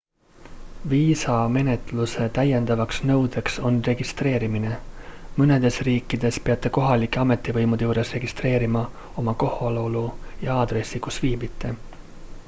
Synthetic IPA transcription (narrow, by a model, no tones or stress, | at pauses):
viːsɑme̞ne̞t̪luse̞t̪æje̞nd̪̥ɑvɑksnɤ̞wd̪̥e̞kso̞nre̞ɡ̥ist̪re̞ːɾimine̞mɤne̞d̪̥e̞sriːkˑːid̪̥e̞spe̞ɑt̪ːˑe̞ko̞ɦɑlikːˑeɑme̞t̪ːˑivɤjmud̪̥e̞juːɾe̞sre̞ɡ̥ist̪re̞ːɾimɑ | o̞mɑko̞holoolujɑɑːd̪̥ɾe̞sːikusviːbit̪ːˑe̞